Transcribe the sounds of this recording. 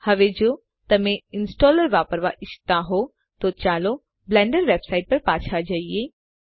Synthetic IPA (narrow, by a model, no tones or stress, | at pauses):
hɐʋed͡ʒoː | t̪ɐmẽɪnsʈɔːləɾʋaːpəɾʋa̰ʔɪst̪aɦoː | t̪ot͡ʃaːloː | blɛ̃ːɳɖəɾʋeːbsaːɪʈ̚pɐɾpaːt͡ʃʰad͡ʒaːieː